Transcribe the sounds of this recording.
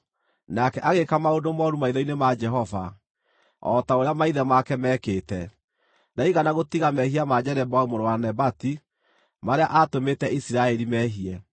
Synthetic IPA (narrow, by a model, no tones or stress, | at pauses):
nakɛʔaɣekamaodomɔɾumaiðɔinemad͡ʒɛɦɔva̰ | ɔ̰taoɾeamaiðɛmakɛmɛkeːtɛ | naiɣanaɣotiɣamɛhiamad͡ʒɛɾɛbɔumoɾowanɛbati | maɾeaʔatometɛisiɾaɛɾimɛɦiɛ